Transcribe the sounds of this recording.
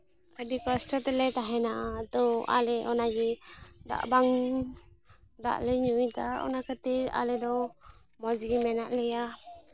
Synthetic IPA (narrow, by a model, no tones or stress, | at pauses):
ədikasʈɔt̪ɛlɛt̪aɦɛnaʔat̪ɔa̰lɛʔɔnaɡɛd̪a̰ʔbaŋ | d̪a̰ʔlɛɲut̪aɔ̰nakət̪iɾa̰lɛd̪ɔ | mɔd͡ʒɡimɛnaʔlɛja